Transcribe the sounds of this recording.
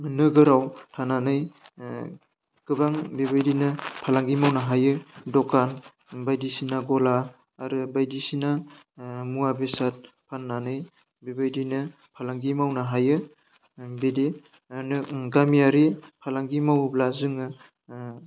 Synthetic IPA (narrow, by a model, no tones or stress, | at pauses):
nɯɡɯɾawtʰananɯj | ɡ̥ɯbaŋbebajdinɯpʰalaŋɡimawnaɦajɯdɔkan | bajdisinaɡɔlaː | ɾɯbajdisina | muabesat̚ | pʰanːanɯj | bebajdinɯ | pʰalaŋɡimawnaɦajɯ | bede | nɡamijaɾipʰalaŋɡimawblazɯŋɯ